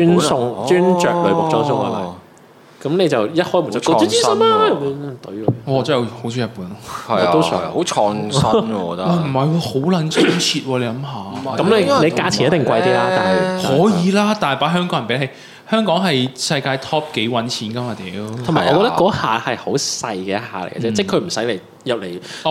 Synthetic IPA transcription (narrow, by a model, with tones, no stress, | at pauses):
y˥nʊ˧ŋt͡ʃyː˥nt͡ʃœː˨k̚lɵ˨˧ɥʊ˨kt͡sɔː˥sʊ˧˥ŋa̰˧˩lɐ̰˨˩ | kɐ˨˥mne˨˧jt͡sɐ˨wjɐ˥t̚hɔː˥jmu˨˩˥i˥smaː˧˨˧t̪ɔ˨˧˥ɔː˨t͡sa˥jho˨˥wsʰi˨˥jɐ˨˩t̚puː˨˥˦nlɔ˥hɐ˨o˥˨ho˨˧˦t͡ʃʰɔː˧ŋɐ˥ɔ˨˧tɐ˧m̩˨˩hɐ˨jwɔː˧ho˨˥wlɐ˨˥nt͡sʰɐ˥ŋt͡sʰiː˧t̚wɔː˧le˨˧jlɐ˨˧˥mɦaː˨kɐ˨˥mne˨˧ne˨˧jkaː˧˥t͡sʰi˨˩njɐ˦t̪ːɪ˨ŋkʷɐ˧jt̪iː˧˥laː˧t̪a̰ː˨n˨hɔː˨˥jiː˨˧laː˥t̪aː˨˩paː˨˥ɦœː˥ŋkɔː˨˥ŋɐ˨˩pe˨˥he˨˧j | hœː˥ŋkɔː˨˥ŋɦɐ˨jsɐ˧jkaː˧jt̪ʰɔː˥p̚ke˨˥jwɐ˨˥nt͡sʰiː˨˥nkɐ˥maː˨˧t̪ɛ˨˧t̪ʰmaː˨˩ʔɔː˨˧kɔː˧kt̪ɐ˥kːɔː˨˥ha̰ː˨hɐ˨jho˨˥wsɐ˧jkɛː˧˥ha̰ː˨˩lḛ˨˩jɡɐ̰˧t͡sɛː˥tt͡sɛ˥˩kʰɵ˧m̩˨˩sɐ˨˥jle˨˩j | jɐ˨p̚le˨˩j